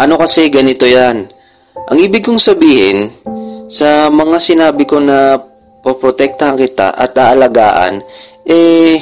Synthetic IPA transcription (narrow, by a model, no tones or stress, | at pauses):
ʔɐnokɐsɛɡɐnɪt̪o̞jan | ʔɐ̰ŋʔiːbɪɡ̚koŋsɐbiːhɪ̰nsɐmɐŋasɪnaːbɪko̞nɐ | pɐpɾot̪ɛk̚t̪ɐhɐŋkɪt̪a̰ʔɐ̰t̪̚ʔaːʔɐlɐɡa̰ːʔɐ̰nʔɛ